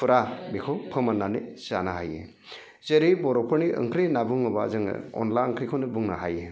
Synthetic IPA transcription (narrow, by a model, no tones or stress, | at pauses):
pʰuɾabekʰopʰɯmanːanizanaɦajḛ | zeɾibɔɾɔpʰɯɾniʔɯ̰ŋkʰɾinabuŋɯba̰zɯŋ̰ɔ̰nlaɯŋkʰɾikʰonibuŋnaɦaje